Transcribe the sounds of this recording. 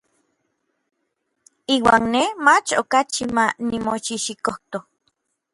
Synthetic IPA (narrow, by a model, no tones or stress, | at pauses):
iːwaːnnemat͡ʃokat͡ʃimanimoʃiʃikoht̪o